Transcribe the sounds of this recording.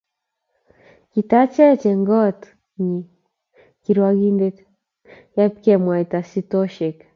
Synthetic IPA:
kit̪at͡ʃɛt͡ʃɛŋɡɔt | ɲi | kiɾwaɡind̪ɛt̪ | jap̚kɛmwait̪asitɔʃɛk

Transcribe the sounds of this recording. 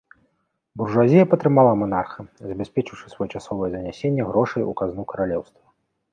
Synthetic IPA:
burʐazʲijɐpɐt̪ɾɨmalˠamanarxɨzʲɐbʲɛsʲpʲɛt͡ʂɨwʂɨ̥svɔjɛt͡ʂasɔvɐjɛzɐnʲasʲenʲːɛɣɾɔʂɐjṵkaznukɐɾalʲɛwst̪vɐ

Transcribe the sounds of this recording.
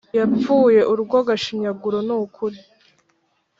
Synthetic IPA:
javuːje̞ʔuɾuɡwoɡaʃiɲaɡuɾonukʰuɾi

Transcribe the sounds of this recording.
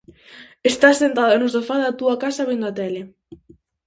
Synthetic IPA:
est̪assent̪aðenosofaðat̪uakasaβind̪oat̪ɛle

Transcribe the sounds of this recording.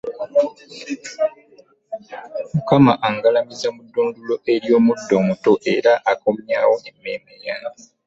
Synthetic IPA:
mukamaʔaŋɡalamizamudːuːndulo̞ʔeɾjo̞ːmudːo̞muto̞ʔe̞ɾaʔakomjaːwoemːeːmeja

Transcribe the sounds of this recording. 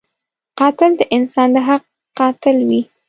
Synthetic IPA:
qɑt̪ɪld̪əʔɪnsɑnd̪əɦaq̚ː | qɑt̪ɪlwi

